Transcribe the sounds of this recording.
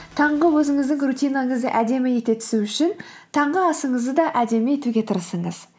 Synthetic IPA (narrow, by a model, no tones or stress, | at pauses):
t̪ʰɑɴʁəwɵzɪŋɪzd̪ɪŋrut̪ʲijnɑɴəzd̪ə̰ʔæd̪e̞mɪje̞t̪e̞t̪ʰɪ̥suʏʃɪn | t̪ʰɑɴʁəɑsəɴəzd̪əd̪ɑʔæd̪e̞meje̞t̪uɡʲe̞t̪ʰəɾəsəɴəz̥